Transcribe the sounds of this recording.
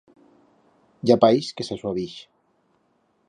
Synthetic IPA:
d͡ʒapajskesaswaβiʃ

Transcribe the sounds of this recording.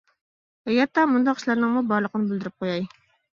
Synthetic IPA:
ɛjɑt̪ːɑmund̪ɑqiʃlˠæɾnəŋmubɑɾlˠəqʰənɨbɪld̪ɪɾɪp̚qʰojɑj

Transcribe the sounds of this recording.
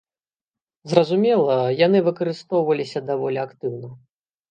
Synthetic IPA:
zrɐzumʲɛlˠɐjan̪ɨvɨkɐɾɨst̪ɔwvɐlʲisʲɐd̪avɔlʲiakt̪ɨwnɐ

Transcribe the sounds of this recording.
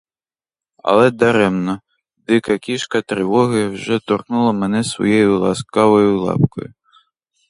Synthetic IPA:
ɐ̰lˠɛd̪aɾɛmnɐ | d̪ɪkɐkʲiʂkɐt̪ɾɨvɔɣɐjwʐɛt̪ɔrxnulˠɐmɛnɛsvɔ̰jejulˠa̰skavɐjulˠa̰p̚kɔ̰ju

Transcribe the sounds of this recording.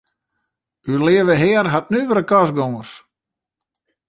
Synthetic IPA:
ylɪːəʋəɦɛərɦat̚nyʋəɾəkɔsɡoŋərs

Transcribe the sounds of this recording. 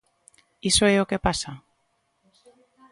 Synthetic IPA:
isoɛokepasa

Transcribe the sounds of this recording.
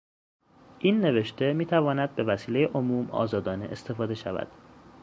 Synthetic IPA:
ʔinːe̞ve̞ʃt̪e̞miːt̪ʰævɒːnæd̪̚be̞væsiːle̞jeʔomuːmɒ̰ːzɒːd̪ɒːneʔest̪e̞fɒːd̪e̞ʃævæ̰d̪̥

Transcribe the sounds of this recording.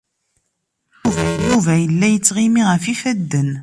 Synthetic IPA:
juvæjuvæjəlːæjət͡sːʁimiʁəfifæd̪ːən

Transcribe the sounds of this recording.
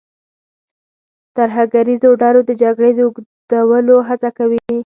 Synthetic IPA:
t̪aɾɦaɡaɾizoɖɑɾod̪əd͡ʒaɡɽed̪əuɡd̪awəloɦat͡sakawi

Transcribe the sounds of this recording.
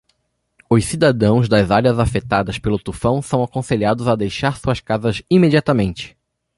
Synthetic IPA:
ʊssid̪ad̪ɐ̃w̃zd̪ɐzaɾiɐzafet̪ad̪ɐspelʊt̪ufɐ̃w̃sɐ̃w̃akõseʎiad̪ʊzad̪ejʃaɾsuɐskazɐzimed͡ʒiat̪ɐmẽnt͡ʃɪ̥

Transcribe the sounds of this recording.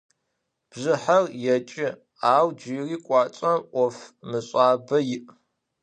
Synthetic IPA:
b̥ʑɨħɐrjɛt͡ʃʼɪ | aːwd͡ʒiːriːkʷʼɑːt͡ʃʼɐmʔʷɔfmɨɕʼaːbɐjɪʔ

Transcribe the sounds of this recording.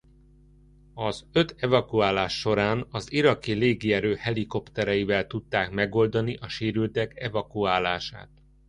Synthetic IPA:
ɒzø̞t̪ɛvɒkuaːlaːʃːo̞ɾaːnɒziɾɒkileːɡiɛɾøːhɛliko̞pt̪ɛɾɛivɛlt̪ut̪ːaːkmɛɡo̞ld̪ɒniʔɒʃeːɾylt̪ɛkɛvɒkuaːlaːʃa̰ːt̪̚

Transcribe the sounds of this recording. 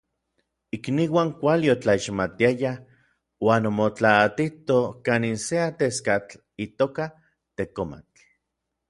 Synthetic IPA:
ikniwaːŋkʷaliot͡ɬaiʃmat̪iaja | waːnomot͡ɬaːt̪it̪okaːninseat̪eskat͡ɬ | it̪oːka | t̪ekoma̰t͡ɬ

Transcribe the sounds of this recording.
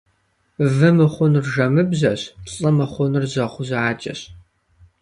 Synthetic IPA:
vɨmɨχʷʊnɨrʒɐmɨbzɐɕpɬʼɐmɨχʷʊnɨrzɐχʷʊzɐʕaːt͡ʃʼɐ̰ɕ

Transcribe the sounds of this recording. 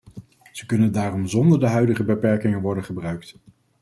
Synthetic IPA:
z̥əkɵnəndaːrɔmzɔndəɹdəɦœɥdəχəbəpɛɹkɪŋənʋɔɹdənχəbrœɥkt

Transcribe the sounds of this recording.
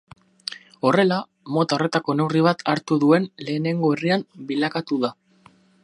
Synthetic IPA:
o̞re̞la | mo̞t̪ao̞re̞t̪ako̞ne̞wriβ̞at̪ʰaɾt̪uðue̞nle̞ːne̞ŋɡo̞eriambilakat̪uða

